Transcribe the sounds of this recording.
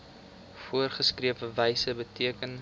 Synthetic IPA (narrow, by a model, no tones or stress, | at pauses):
fuərχəskriəpəvɛjsəbətiəkən